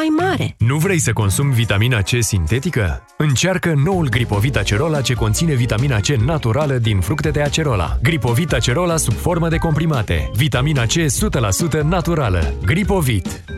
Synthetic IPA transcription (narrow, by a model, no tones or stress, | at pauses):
ajmaɾḛnuvɾe̞jsəko̞nsumvit̪aminat͡ʃe̞sint̪e̞t̪ikə̰ | ɨnt͡ʃarkəno̞ulɡɾipo̞vit̪at͡ʃe̞ɾo̞lat͡ʃe̞ko̞nt̪sine̞vit̪aminat͡ʃe̞nat̪uɾaləd̪infɾukt̪e̞d̪e̞at͡ʃe̞ɾo̞la̰ɡɾipo̞vit̪at͡ʃe̞ɾo̞lasub̥fo̞rməd̪e̞ko̞mpɾimat̪ḛvit̪aminat͡ʃe̞sut̪əlasut̪ənat̪uɾalə̰ɡɾipo̞vit̪